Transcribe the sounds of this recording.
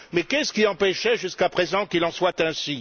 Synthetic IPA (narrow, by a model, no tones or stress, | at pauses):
mɛkɛsə̥kiɑ̃pɛʃɛʒyskapχezɑ̃kilɑ̃swat̪ɛ̃si